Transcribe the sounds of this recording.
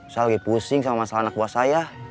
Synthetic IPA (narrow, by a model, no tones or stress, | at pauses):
salɡipusiŋsamamasalanak̚buasaja